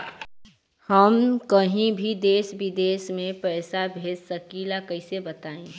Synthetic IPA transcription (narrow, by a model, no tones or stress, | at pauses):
həmkəɦĩbʱid̪eːsbid̪eːsmẽpɛːsabʱeːd̪səkilakəɦɪsebət̪aːẽ